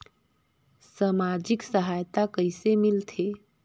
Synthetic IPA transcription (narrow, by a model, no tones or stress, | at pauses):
səmad͡ʒiksəɦajt̪akəɪsemilt̪ʰe